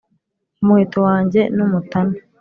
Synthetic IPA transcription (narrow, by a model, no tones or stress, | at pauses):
umuhitowaːɲɟe̞numutana